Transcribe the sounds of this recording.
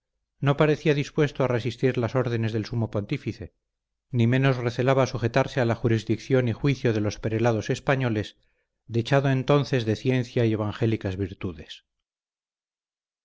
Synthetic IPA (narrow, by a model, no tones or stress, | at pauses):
no̞paɾe̞θiaðispwe̞st̪oare̞sist̪iɾlaso̞ɾð̞e̞ne̞zðe̞lsumo̞po̞nt̪ifiθe̞ | nimẽ̞no̞zre̞θe̞laβasuxe̞t̪aɾsealaxuɾizðikθjo̞nixwiθjo̞ð̞e̞lo̞speɾelaðo̞se̞spaɲo̞le̞s | d̪et͡ʃaðoent̪o̞nθe̞zðe̞θje̞nθjaieβ̞aŋxe̞likazβiɾt̪uðe̞s